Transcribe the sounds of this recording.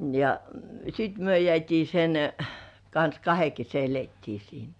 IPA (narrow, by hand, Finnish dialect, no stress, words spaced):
jɑ sit myø jĕæˑtʲiː sen kɑns kɑhe kese eletːiː siːnæ